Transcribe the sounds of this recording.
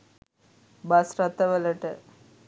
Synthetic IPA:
bɐsɾɐt̪ːɐʋɐlɐʈə

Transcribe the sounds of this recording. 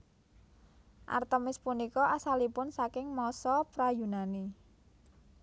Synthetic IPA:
ʔa̰rt̪əmɪspunikɔʔasalipʊnsakɪŋmɔsɔpɾajunani

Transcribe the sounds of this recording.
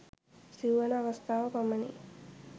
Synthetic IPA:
siwʋɐnɐʋɐst̪ʰaːʋɐpɐmːɐnḭ

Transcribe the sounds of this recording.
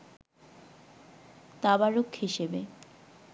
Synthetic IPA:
t̪abaɾokʰhiʃebe

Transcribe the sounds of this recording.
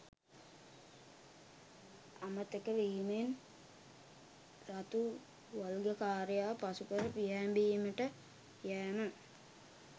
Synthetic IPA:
amət̪ekəʋiimen | ɾat̪u | ʋalɡəkaːɾjaːpasukəɾəpijɛːmbiːməʈə | jæːmə

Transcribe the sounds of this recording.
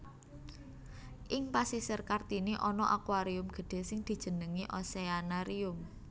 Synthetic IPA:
ʔɪŋpasisərkart̪iniʔɔnɔʔakwaɾiʊmɡ̥ə̤ɖ̥e̤sɪŋd̪̥i̤d̥ʒ̥ə̤nəŋiʔɔseanaɾiʊm

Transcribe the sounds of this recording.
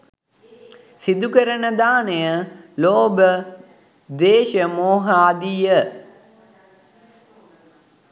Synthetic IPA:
sid̪ukəɾənəd̪aːnejəloːbə | d̪eːʃəmoːɦəaːd̪ijə

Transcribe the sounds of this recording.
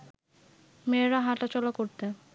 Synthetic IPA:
meɾaɦaʈat͡ɕɔlakoɾt̪e

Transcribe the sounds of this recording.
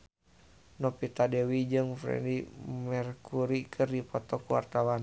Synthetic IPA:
nɔpit̪adɛwid͡ʒɨŋfɾɛ̰dimɛrkuɾikʰɨrdipɔt̪ɔkuwa̰rt̪awan

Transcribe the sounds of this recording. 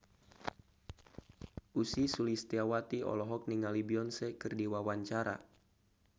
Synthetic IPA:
ʔusisulist̪iawat̪iɔ̰lɔɦɔk̚niŋalibiɔnsɛkɨrdiwawaɲt͡ʃaɾa̰

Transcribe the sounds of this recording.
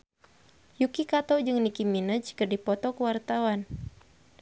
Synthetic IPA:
jukikat̪ɔd͡ʒɨŋnikiminət͡ʃkərdipɔt̪ɔkəwart̪awan

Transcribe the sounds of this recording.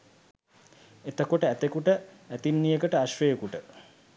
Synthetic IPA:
et̪əkoʈəæt̪ekuʈə | æt̪inːijəkəʈəaʃrejəkuʈə

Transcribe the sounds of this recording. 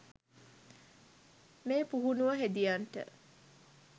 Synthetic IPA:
meːpuɦunuʋəɦed̪ijaɳʈə̰

